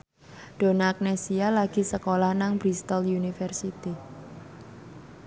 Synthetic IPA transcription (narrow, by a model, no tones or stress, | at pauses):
ɖ̥o̤naːk̚nesialaɡ̥i̤səkolahnaŋbɾist̪ɔljunifɛrsit̪i